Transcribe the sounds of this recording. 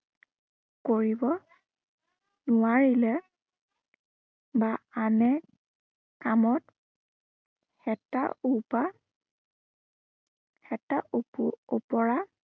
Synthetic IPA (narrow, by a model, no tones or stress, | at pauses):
koɹibɔ | nʊaɹilɛ | baanɛ | kamɔt | xɛta̰upa | hɛtaʔupṵupɔɹa